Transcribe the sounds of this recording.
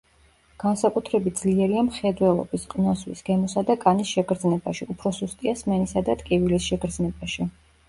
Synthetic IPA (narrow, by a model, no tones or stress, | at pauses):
ɡ̥ansakʼut̪ʰɾɛbit̪̚d̪z̥liɛɾiamχɛd̪wɛlˠɔ̰bisqʼinɔswḭsɡ̥ɛmɔsad̪akʼanisʃɛɡɾd̪znɛbaʃiupʰɾɔsust̪ʼiasmɛnisad̪at̪ʼkʼivilisʃɛɡʰɾd̪znɛbaʃi